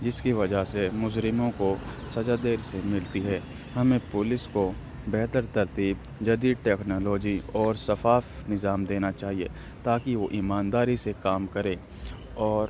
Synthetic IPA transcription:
d͡ʒɪskiʋɐd͡ʒaɦsemʊd͡ʒɾɪmõkosɐd͡ʒad̪eːɾsemɪlt̪iɦɛː | hɐmẽpʊlɪsko | bɛɦt̪əɾt̪ɐɾt̪iːb | d͡ʒɐd̪iːdʈɛːknoːloːd͡ʒiɔːɾsɐfaːfnɪzaːmd̪eːnat͡ʃaːɦie | t̪aːkiʋoʔiːmaːnd̪aːɾisekaːmkɐɾẽː | ɔːɾ

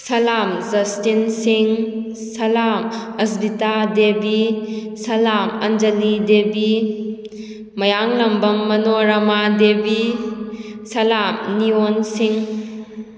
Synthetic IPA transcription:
sɐlamzɐstinsiŋ | sɐlamɐs̬bitadebisɐlamɐnd͡ʒɐlidebi | mɐjaŋlɐmbɐmːɐnoɾɐmadebi | sɐlamnionsiŋ

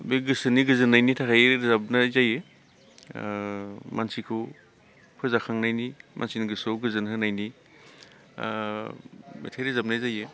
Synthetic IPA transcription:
beɡɯsɯniɡɯzɯnːajnitʰakʰajɾizab̚nazaje | mansikʰɯ | pʰɯzakʰaŋnajnimʔansinɡɯsowɡɯzɯnɦɯnajni | mḛtʰajɾizab̚najzaje

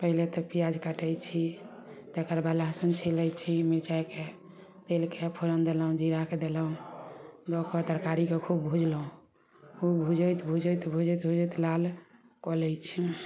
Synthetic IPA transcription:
pəɦilet̪ɔpijad͡ʒkaʈəjt͡ʃʰit̪ekəɾbalasənt͡ʃʰilɛjt͡ʃʰimit͡ʃajke | t̪elkepʰoɾənd̪eləũd͡ʒiɾaked̪eləũd̪ɔkɔt̪əɾkaɾikekʰubbʱud͡ʒlɦũ | kʰubbʱud͡ʒəjt̪bʱud͡ʒəjt̪bʱud͡ʒɛt̪bʱud͡ʒət̪lal | kɔlɛt͡ʃʰi

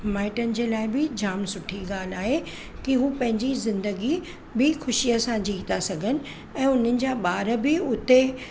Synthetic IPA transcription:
maːɪʈənɪ̆d͡ʑeːlaːɪbɪd͡ʑaːmsʊʈʰiɡaːl̤aːɦe | kiɦupɐ̃ɦɪ̃ɲd͡ʑizɪ̃nd̪əɡi | bɪxʊʃijəsãd͡ʑiːt̪asɐɡʱənɪ̆ | ɛ̃ːʊn̤ənɪ̆d͡ʑaːɓaːɾəbɪʊt̪e

